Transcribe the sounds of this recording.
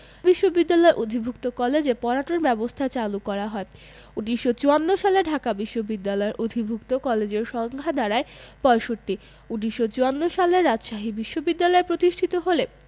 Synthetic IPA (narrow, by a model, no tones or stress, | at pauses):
biʃːobid̪ːalɔeɾʔod̪ʱibʱuk̚t̪okɔled͡ʑepɔɾaʈoɾbɛbost̪ʰat͡ɕalukɔɾaɦɔe | uʈiʃot͡ɕuanːoʃaleɖʱakabiʃːobid̪ːalɔeɾʔod̪ʱibʱukt̪okɔled͡ʑeɾʃɔŋɡʱad̪aɾaepɔeʃoʈːi | uʈiʃot͡ɕuanːoʃaleɾad͡ʑʃaɦibiʃːobid̪ːalɔepɾot̪iʃʈʰit̪oɦole